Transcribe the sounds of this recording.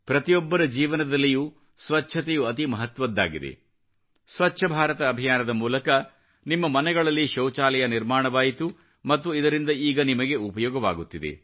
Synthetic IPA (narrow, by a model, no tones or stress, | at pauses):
pɾɐt̪ijɔbːɐɾɐd͡ʒiːʋɐnɐd̪ɐlːiju | sʋɐt͡ʃːʃʰɐt̪ejuɐt̪imɐɦɐt̪ʋɐd̪ːa̰ːɡid̪ḛ | sʋɐtːʰɐbʱaːɾɐt̪ɐːbʱijaːnɐd̪ɐmuːlɐkɐ | nimːɐmɐnɛɡɐɭɐlːiʃɐwt͡ʃaːlɛjɐniɾmaːɳɐʋaːjit̪u | mɐt̪ːuid̪ɐɾind̪ɐiːɡɐnimɐɡe̞upɐjɔːɡɐʋa̰ːɡut̪ːid̪e̞̰